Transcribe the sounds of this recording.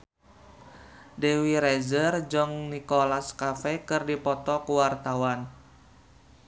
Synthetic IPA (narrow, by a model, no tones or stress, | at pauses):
dewiɾɛzərd͡ʒɔŋnikɔlaskafɛkɨrdipɔt̪ɔkuwart̪awan